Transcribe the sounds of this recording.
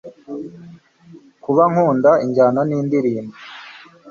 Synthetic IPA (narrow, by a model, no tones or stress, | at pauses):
kuβaŋ̥huːndaiɲɟaːnaniːndiɾiːmbi